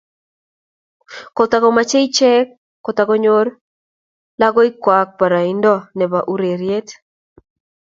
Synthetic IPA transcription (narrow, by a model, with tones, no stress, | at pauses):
ko˨t̪a˦ɡɔma˦t͡ʃe˦it͡ʃɛ˦kː | o˨t̪a˨ɡɔ˦ɲoɾ | la˦ɡɔ˦ɪ˦kwa˨k̚pa˨ɾa˨indɔ˦nɛ˨ba˨ʔu˦ɾe˨ɾje˦t̪